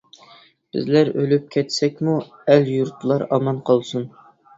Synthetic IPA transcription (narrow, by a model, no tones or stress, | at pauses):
b̥ɪ̰zlæɾølyp̚kʲʰɛt̪sɛkʲmu | æljuɾt̪ʰlˠɑɾɑmɑnqʰɑlˠsun